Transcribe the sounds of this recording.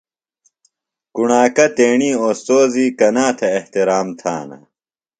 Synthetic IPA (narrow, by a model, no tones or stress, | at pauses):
kuɳaːkɐt̪eːɳiːoːst̪oːziːkɐnaːt̪ʰɐːht̪iɾaːmt̪ʰa̰ːna̰